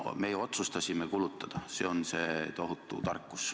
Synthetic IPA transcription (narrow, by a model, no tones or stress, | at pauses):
mejeo̞t̪sust̪ɑsʲimekulut̪ːˑɑd̪̥ɑse̞̰o̞nse̞ːt̪o̞ɦut̪ːˑṵt̪ɑ̰rkːus